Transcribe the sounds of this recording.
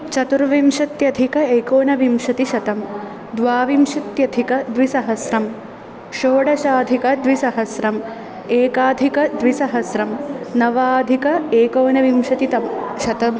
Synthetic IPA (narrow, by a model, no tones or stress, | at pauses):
t͡ʃɐt̪uɾʋimʃɐt̪jɐd̪ʱikɐeːkoːnɐʋimʂɐt̪iʃɐt̪ɐm | d̪ʋaːʋimʃɐt̪jɐd̪ʱikɐd̪ʋisɐɦɐsɾɐm | ʃoːɽɐʃaːd̪ʱikɐd̪ʋisɐɦɐsɾɐm | eːkaːd̪ʱikɐd̪ʋisɐɦɐsɾɐmnɐʋaːd̪ʱikɐeːkoːnɐʋimʃɐt̪it̪ɐmʃɐt̪ɐm